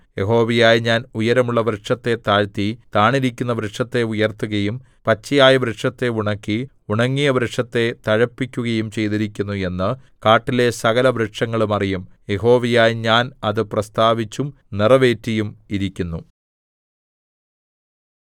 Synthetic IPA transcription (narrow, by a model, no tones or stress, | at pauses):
je̞ɦo̞ːʋijaːjɲaːnujɐɾɐmuɭːɐbɾeʈʂɐt̪ːe̞t̪aːɻt̪it̪aːɳiɾikʲːunːɐbɾeʂɐt̪ːe̞ujɐrt̪ːuɣɐjum | pɐt͡ɕːijaːjɐbɾeʈʂɐt̪ːe̞uɳɐkːi | uɳɐŋːijɐbɾekʂɐt̪ːe̞t̪ɐɻɐpːikʲːuɣɐjumt͡ɕe̞jt̪iɾikʲːunːue̞nːɨ | kaːʈːile̞sɐɣɐlɐbɾeʈʂɐŋːɐɭumɐrijumje̞ɦo̞ːʋijaːjɲaːnɐðɨprɐst̪aːʋit͡ɕːum | nirɐʋe̞ːtːijumiɾikʲːunːu